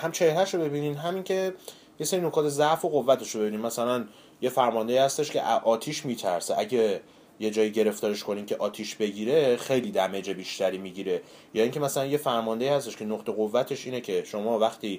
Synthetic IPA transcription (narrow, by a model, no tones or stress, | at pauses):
hæmt͡ʃʰe̞hɾæʃobe̞biːniːmɦæmiŋcʰe̞ | jese̞ɾino̞kʰɒːt̪ʰe̞zæʔfo̞ɣo̞vːæt̪ʰeʃobe̞biːniːmmæsælæn | je̞fæɾmɒnd̪e̞iːhæst̪eʃcʰe̞̰ʔæʔɒːt̪ʰiʃmiːt̪ʰæɾseʔæɟe | je̞d͡ʒɒːjiɟe̞ɾe̞ft̪ɒːɾeʃkʰo̞niːmcʲʰe̞ʔɒːt̪ʰiʃbe̞ɟiːɾe̞xe̞jliːd̪æme̞d͡ʒebiːʃt̪æɾiːmiɟiːɾe̞ | jɒːiːŋcʰe̞mæsælænjefæɾmɒnd̪eiːhæst̪eʃkcʰe̞noqt̪ʰe̞ɣovːæt̪ʰe̞ʃiːnecʰe̞ʃomɒːvæxt̪ʰiː